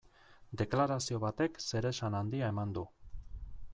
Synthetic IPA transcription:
d̪e̞klaɾasio̞βat̪e̞kse̞ɾe̞sanand̪iae̞mand̪u

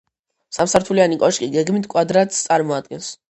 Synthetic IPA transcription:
samsaɾt̪ʰulianikʼɔʃkʼiɡɛɡmit̪ʰkʼwad̪ɾat̪st̪sʼaɾmɔad̪̚ɡɛns

